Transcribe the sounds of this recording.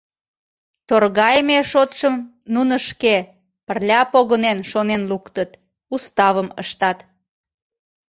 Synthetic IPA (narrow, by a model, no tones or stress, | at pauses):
t̪orɣɑjmeʃot̪ʃəm | nunəʃke | pərlʲɑpoɣənenʃonenlukt̪ət̪ | ust̪ɑβəmə̰ʃt̪ɑt̪